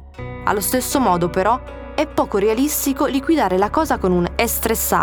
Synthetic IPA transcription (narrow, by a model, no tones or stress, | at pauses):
a̰lːost̪esːomɔːd̪opeɾɔ | ɛpːɔːkoɾealist̪ikoliɡwid̪aːɾelakɔːzakonunest̪ɾesːa̰